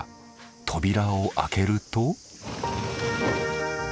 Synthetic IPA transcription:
t̪ʰo̞bʲiɾaoʔa̰ke̞ɾɯ̟t̪o

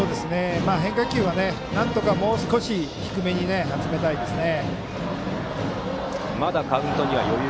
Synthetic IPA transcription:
oːd̪e̞sɨne̞maːɦẽ̞ŋkakʲɨːβane̞ | nãnt̪o̞kamo̞ːsɨ̥ko̞ɕiçi̥kɯ̟me̞ɲ̟ine̞ɦazɨme̞t̪aid̪e̞sɨne̞ | mad̪akaɯ̟̃nt̪o̞ɲ̟iβa̰jo̞j

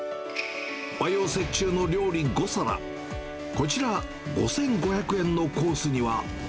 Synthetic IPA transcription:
bajo̞ːse̞t͡ɕɨːno̞ɾʲo̞ːɾʲiɡo̞saɾa̰ | ko̞t͡ɕiɾa | ɡo̞̰sẽ̞ŋɡo̞çakɯ̟ẽ̞nːo̞ko̞ːsɨɲ̟iβa

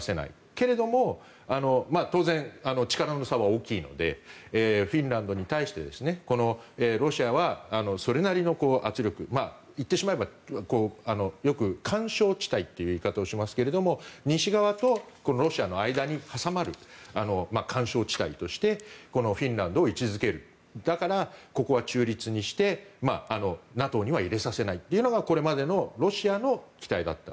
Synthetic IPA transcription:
se̞na̰ḭ | ke̞ɾe̞d̪o̞mo̞ | ano̞mat̪o̞ːzẽ̞ŋanot͡ɕi̥kaɾannosaβaoːkʲiːno̞̰d̪e̞̰eːɸĩnɾãnd̪o̞ɲ̟it̪aiɕi̥t̪e̞d̪e̞sɨne̞ko̞no̞eːɾo̞ɕiaβaːno̞so̞ɾe̞naɾʲino̞ko̞ːʔat͡sɨɾʲo̞kɯ̟ma | it̪ːe̞ɕimae̞bako̞ːano̞jo̞kɯ̟kʰãɰ̃ɕo̞ːt͡ɕi̥t̪ait̪ːe̞jɯ̟ikat̪ao̞ɕimasɨ̥ke̞ɾe̞d̪o̞mo̞ɲ̟ĩɕiɡaβ̞at̪o̞ | ko̞no̞ɾo̞ɕiano̞aid̪aɲ̟ihasamaɾɯ̟ano̞makʰãɰ̃ɕo̞ːt͡ɕi̥t̪ait̪o̞ɕi̥t̪e̞ko̞no̞ɸʲĩnɾãnd̪o̞ːit͡ɕizɨke̞ɾɯ̟ | d̪̥akaɾako̞ko̞βat͡ɕɨːɾʲit͡sɨɲ̟iɕi̥t̪e̞maːno̞nat̪o̞ɲ̟iβ̞aiɾe̞sase̞nait̪ːe̞iɯ̟no̞ɡako̞ɾe̞mad̪e̞no̞ɾo̞ɕiano̞kʲi̥t̪aid̪a̰t̪ːa̰

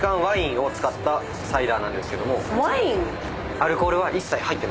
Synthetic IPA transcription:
kãɰ̃βaĩɰ̃o̞t͡sɨ̥kat̪ːa | said̪aːnãnd̪e̞sɨ̥ke̞d̪o̞mo̞βaĩŋ | aɾɯ̟ko̞ːɾɯ̟β̞aʔisːaihait̪ːe̞m

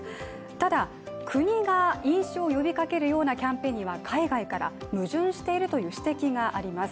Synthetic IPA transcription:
t̪ad̪a | kʰɯ̟ɲ̟iɡaĩɰ̃ɕo̞ːjo̞bʲikake̞ɾɯ̟jo̞ːnakʲãmpe̞ːɲ̟iβakʰaiɡaikaɾa̰mɯ̟ʑɨ̃ɰ̃ɕi̥t̪e̞iɾɯ̟t̪o̞jɯ̟ːɕi̥t̪e̞kʲiɡaʔaɾʲimasɨ̥

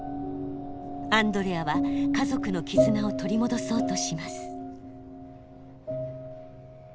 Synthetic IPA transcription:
ãnd̪o̞ɾeaβakazo̞kɯ̟no̞kʲizɨnao̞t̪o̞ɾʲimo̞d̪o̞so̞ːt̪o̞ɕimasɨ̥

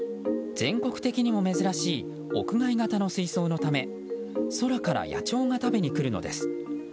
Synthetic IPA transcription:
z̥ẽ̞ŋko̞kɯ̟̥t̪e̞kʲiɲ̟imo̞me̞zɨɾaɕiː | o̞̰kɯ̟ɡaiɡat̪ano̞sɨiso̞ːno̞t̪ame̞ | so̞ɾakaɾa̰ja̰t͡ɕo̞ːŋat̪abe̞ɲ̟ikɯ̟ɾɯ̟no̞̰d̪e̞sɨ̥

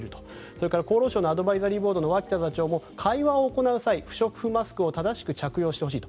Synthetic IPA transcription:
ɾɯ̟t̪o | so̞ɾe̞kaɾako̞ːɾoːɕoːnoad̪o̞baizaɾʲiːbo̞ːd̪o̞no̞βakʲi̥t̪azat͡ɕo̞ːmo̞kʰaiβao̞ːko̞naɯ̟saiɸɯ̟̥ɕo̞kɯ̟̥ɸɯ̟masɨ̥kɯ̟o̞t̪ad̪aɕi̥kɯ̟t͡ɕakɯ̟jo̞ːɕi̥t̪eo̞ɕ̬iːt̪o

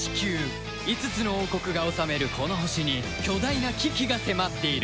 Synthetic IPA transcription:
i̥kʲɨː | it͡sɨt͡sɨno̞oːko̞kɯ̟ɡao̞same̞ɾɯ̟kʰo̞no̞ɦoɕiɲ̟i | kʲo̞d̪ainakʲikʲiɡase̞mat̪ːe̞iɾ

